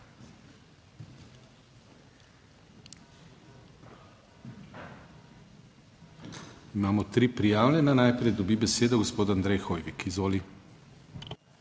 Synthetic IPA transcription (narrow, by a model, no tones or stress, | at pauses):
imaːmɔt̪ɾiːpɾijaːwlʲɛnanajpɾɛjd̪ɔbibɛseːd̪ɔɡospoːd̪and̪ɾɛjxoːjʋikizʋoːli